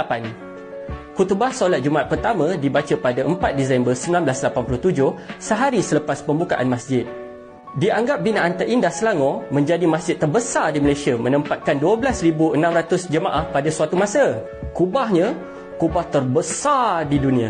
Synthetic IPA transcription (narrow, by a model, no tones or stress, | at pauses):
pan | kut̪ubahsolat̪̚d͡ʒumaat̪̚pərt̪amãdibat͡ʃapadaʔəmpat̪̚dizambərsəmbilanblaslapanpuluht̪ud͡ʒʊhsəɦaɾisələpaspəmbuka̰ʔa̰nmasd͡ʒɪt̪̚ | diaŋɡap̚binaʔant̪əʔindahsəlaŋɔmə̃ɲd͡ʒadimasd͡ʒɪt̪ːərbəsadiməlasiamə̃nəmpat̪̚kanduabəlasribuənãmrat̪ʊsd͡ʒəmaʔahpadasuat̪umãsə | kubahɲã | kubaht̪ərbəsadidunĩa